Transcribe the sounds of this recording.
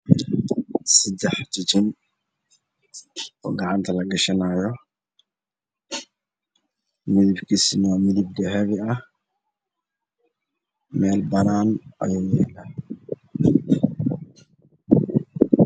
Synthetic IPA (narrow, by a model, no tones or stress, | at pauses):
sɐd̪ɛħt͡ʃɪt͡ʃɪn | ɔ̰ːɡɑʕɑnt̪ʰɐlɐɡɐʃɐnaːjɔ | mɪðɪbkʰisɪnwaːmɪðɪbd̪ɛɦɛβɪɐh | mɛːlbɐɾaːnʔɐ̰jeːjɛːlɛ